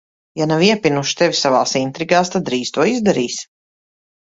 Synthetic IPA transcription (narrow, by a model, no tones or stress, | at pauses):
janaviɛpʲinuʃt̪ɛvʲisavaːsint̪ɾiɡaːst̪ad̪d̪ɾiːz̥t̪uɔizd̪aɾiːs